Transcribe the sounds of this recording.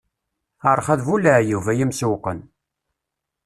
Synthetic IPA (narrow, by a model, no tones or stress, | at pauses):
əɾˤχæðvuləʕjuvæjimsuwqə̰n